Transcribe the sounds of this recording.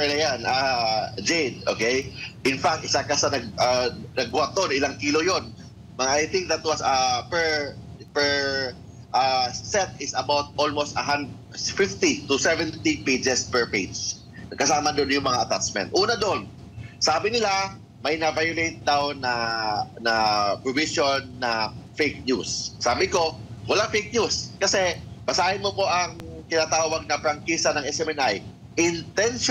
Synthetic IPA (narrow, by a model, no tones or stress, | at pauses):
ɛlɐjanad͡ʒejd̪̚ʔoːkejʔɪ̃nfak̚t̪̚ɪsakɐsɐnɐɡanɐɡ̚wat̪ːonɪlaŋkiːlo̞jon | mɐʔajθɪ̃ŋk̚d̪ɐt̪̚wɐsɐpɛɹpɛɹ | ʔasɛt̪̚ɪsɐbawt̪̚olmost̪ɐɦand̪ | fɪft̪it̪ʊsɛvɛnt̪ipejd͡ʒɛspɛɹpejd͡ʒ | kɐsaːmɐd̪onjʊŋmɐŋaʔɐt̪a̰t͡ʃmɛ̰nt̪ʔuːnɐd̪oʔon | saːbɪnɪla | mɐjnɐvajʊlejt̪̚d̪awnɐnɐpɹovisonːɐfejk̚njusːaːbɪko̞wɐlaŋfejk̚njuskɐsɛbɐsaːhɪnmopo̞ʔɐŋk̪ɪnaːt̪aːwɐɡ̚nɐpɾɐŋkiːsɐnɐŋʔɛsɛmɛnʔaj | ʔɪnt̪ɛn